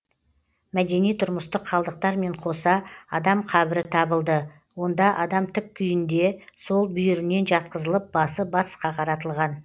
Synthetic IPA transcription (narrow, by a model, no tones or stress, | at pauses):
mæd̪e̞nijt̪ʰʊɾməst̪əqʰːɑlˠd̪əq̚t̪ɑɾme̞ɴqʰo̞sɑɑd̪ɑmqʰɑβɪɾɪt̪ʰɑbəlˠd̪ə | wo̞nd̪ɑʔɑd̪ɑmt̪ʰʏkkʲʰːʏjɪnd̪e̞so̞lˠbʏjɪɾɪne̞nʒɑt̪̚qəzəlˠəp̚bɑsəbɑt̪ə̥sqɑqʰɑɾɑt̪əlˠʁɑn